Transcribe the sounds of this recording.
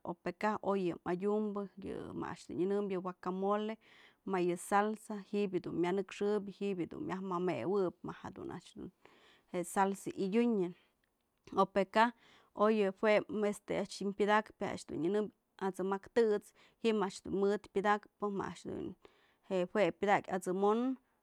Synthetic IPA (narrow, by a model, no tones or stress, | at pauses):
o̰pekaojɨmadʲumbɨjɨ̰ma̰a̰ʔt͡ʃd̪ṵnɨnɨmbjɨwakamole | majɨsalsahiʔbjɨd̪unmʲanɨkʂɨbʲɨhiʔbjɨd̪ṵnmʲjahmamewɨp̚mahad̪ṵnʔa̰ʔt͡ʃd̪ṵn | heʔsalsaʔijʲuɲɨ | opeka | ojɨhwʷeest̪eaʔt͡ʃimpʲɨd̪akpea̰ʔt͡ʃd̪ṵnɨnɨmbʲ | at͡sɨmakt̪ɨt͡s | hiʔmaʔt͡ʃd̪ṵnmɨt̪pʲɨd̪akpɨma̰ʔaʔt͡ʃd̪ṵn | heʔhwʷepʲɨd̪akʲat͡sɨmon